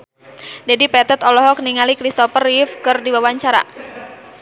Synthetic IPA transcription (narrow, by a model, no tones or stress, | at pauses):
d͡ʒadipɛt̪ɛt̪ɔlɔɦɔk̚niŋalikɾist̪ɔfərifkɨrdiwawaɲt͡ʃaɾa̰